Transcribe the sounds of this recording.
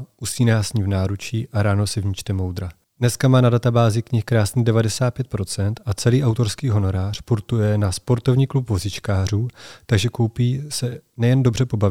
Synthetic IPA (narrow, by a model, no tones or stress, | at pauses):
ʔusiːnaːsɲivnaːɾut͡ʃiːʔaɾaːno̞sɛvɲɪt͡ʃt̪ɛmo̞wd̪ɾa | dnɛskamaːnadat̪abaːzɪkɲɪxkɾaːsniːdɛvadɛsaːt̪̚pjɛt̪̚pɾo̞t͡sɛnt̪at͡sɛliːʔawt̪o̞ɾskiːɦo̞no̞ɾaːr̝̥puɾt̪ujɛnaspo̞ɾt̪o̞vɲiːklupvo̞zɪt͡ʃkaːr̝uːt̪aɡʒɛko̞wpiːsɛnɛjɛndo̞br̝ɛpo̞bavɪ